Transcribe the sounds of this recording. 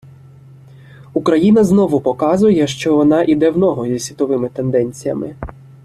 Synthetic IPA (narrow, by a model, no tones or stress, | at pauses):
ukɾɐjinɐznɔʋʊpɔkɑzʊjɛʃt͡ʃɔʋɔnɑʔid̪ɛwnɔɦɔzʲisʲʋʲit̪ɔʋɪmɪt̪end̪ɛnʲt͡sʲijɐ̰mɪ